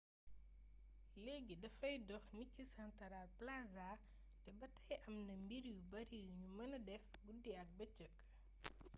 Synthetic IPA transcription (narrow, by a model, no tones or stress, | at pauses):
leɡidɐfɐjdɔxnikːisɐntɐɾaplazaː | dɛbɐtɐjʔɐmnɐmbiɾijubɐɾijuɲumɐnɐdɛfɡudiɐk̚bɐt͡ʃəkː